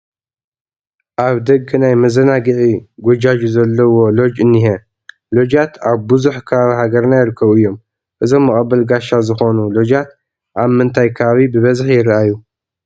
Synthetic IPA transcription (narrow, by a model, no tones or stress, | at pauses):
ʔaβd̪ɐɡnajmɐzɐnaɡɨʕiɡʷod͡ʒad͡ʒuzɐlːɐwo̞lo̞d͡ʒɨnːiɦe | lo̞d͡ʒat̪ʰaβbɨzuħkʰɐβaβiɦaɡɐɾnajɪɾɨkʰːɐβɨjːo̞m | ʔɨzo̞mːɨkʼɐbːɐlɡaʃazɨxo̞nulo̞d͡ʒat̪̚ | ʔaβmɨnt̪ʰajkʰɐβaβibɨβɐzħjɪɾʔaju